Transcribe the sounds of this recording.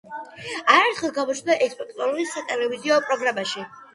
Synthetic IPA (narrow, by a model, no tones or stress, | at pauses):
aɾɛɾt̪ʰχɛlˠɡamɔt͡ʃʰnd̪aʔɛkspʼɔkʼt̪ʼɔɾuɾisat̪ʼɛlɛviziɔpʼɾɔɡɾamaʃi